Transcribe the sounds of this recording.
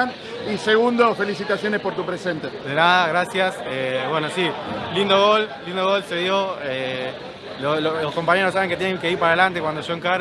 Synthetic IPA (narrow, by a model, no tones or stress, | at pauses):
n | iseɣund̪ofe̞lisit̪asjonespoɾt̪upɾesent̪ed̪enaðaɣɾasjaseβwenosilind̪oɣollind̪oɣo̞lseðjoe | lololoskompaɲeɾos̬aβeŋket̪jenẽŋkeiɾpaɾaðelant̪̬ekwand̪oʃoeŋkaɾ